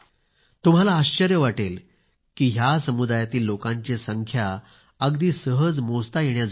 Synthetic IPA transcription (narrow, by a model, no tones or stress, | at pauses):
t̪um̤alaːɕt͡ɕəɾjəʋaʈel | kiːɦjasəmud̪ajat̪iːlːokãɲt͡ɕesəŋkʰja | əɡd̪iːsəɦəd͡zmost̪ajeɳjad͡z